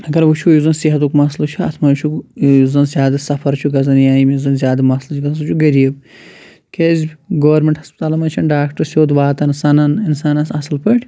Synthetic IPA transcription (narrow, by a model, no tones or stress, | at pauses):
ɐɡɐɾʋut͡ʃʰujuzɐnsiɦɐt̪ukmɐslɐt͡ʃʰuɐ̰t̪ʰmɐt͡ʃʰujuzɐnzjaːd̪ɐsɐfʰɐɾt͡ʃʰuɡɐzɐnjaːjimijzɐnzʲjaːd̪ɨmɐslɐziɡɐt̪ɐs̬ɐt͡ʃʰuɡɐɾiːb | kezbʲɡoʋɐɾmʲeɳʈhɐspɐt̪aːlɐmɐt͡ʃʰɐnɖaːkʈɐɾsʲoːd̪ʋaːt̪ɐnsɐnɐninsaːnɐsɐsɐlpɐʈʰʲ